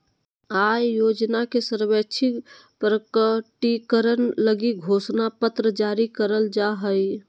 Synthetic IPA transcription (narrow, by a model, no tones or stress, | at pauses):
ajjod͡ʒnakesəɾbət͡ʃʰi | pɾəkəʈikəɾənləɡiɡʱosnapət̪ɾəd͡ʒaɾikəɾəld͡ʒaɦəj